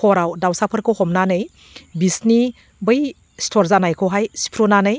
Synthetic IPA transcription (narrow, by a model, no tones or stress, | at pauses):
kʰɔɾawdawsapʰɯɾkʰɯwhɔmnanɯj | bisni | bɯj | stʰɔɾzanajkʰɯwɦajsi̥pʰɾonanɯj